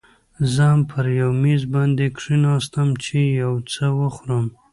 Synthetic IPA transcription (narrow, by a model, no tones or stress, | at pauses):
zəampʰəɾjawmizbɑnd̪ekʂinɑst̪əmt͡ʃejawt͡səwəxɾəm